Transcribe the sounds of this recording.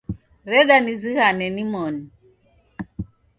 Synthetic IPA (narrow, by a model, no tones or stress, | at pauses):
ɾɛɗaniziɣanɛnimɔni